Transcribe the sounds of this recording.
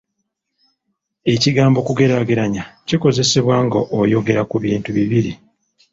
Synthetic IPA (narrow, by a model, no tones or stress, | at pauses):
e̞ciɡaːmbo̞kuɡe̞ɾaɡeɾaɲaciko̞ze̞se̞βwaːŋɡaʔojo̞ɡe̞ɾakuβiːntuβiβiɾi